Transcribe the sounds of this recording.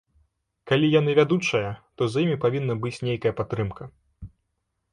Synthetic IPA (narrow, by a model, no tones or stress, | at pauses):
kalʲijanɨvʲad̪ut͡ʂɐjɐt̪ɔzjimʲipavʲinːɐbɨt͡sʲnʲejkɐjɐpat̪ːɾɨmkɐ